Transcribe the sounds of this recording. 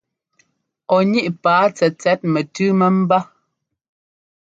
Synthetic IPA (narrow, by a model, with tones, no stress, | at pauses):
ɔ˨ɲi˦ʔpaː˨˦t͡sɛ˨t͡sɛ˦t̚mɛ˨tʉ˦mɛ˦m̩˦ba˦